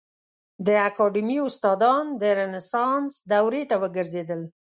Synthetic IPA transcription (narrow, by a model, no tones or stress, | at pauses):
d̪əakɑɖimiʊst̪ɑd̪ɑnd̪əɾenɪsɑnsd̪awɾet̪awəɡəɾzed̪əl